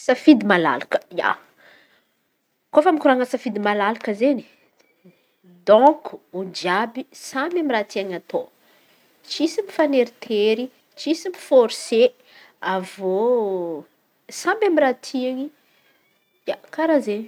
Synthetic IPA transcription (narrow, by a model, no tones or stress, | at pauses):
safid̪imala̰lakə̥ja̰ | kofamikuɾaŋasafid̪imalalakəzeni̥ | d̪ɔ̃ku̥ud͡ʒiabisamamiɾat̪iaŋat̪o | t͡ʃisimifaneɾit̪ʰeɾi | t͡ʃisimifoɾise | avo | samamiɾat̪ʰiaŋi | jakaɾazeɲ